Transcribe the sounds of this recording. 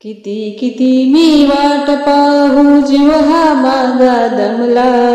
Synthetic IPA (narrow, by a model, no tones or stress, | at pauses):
kit̪ikit̪imiːʋaːʈɐpaːɦud͡ʒiʋɐɦamaːɡaːd̪ɐmlaː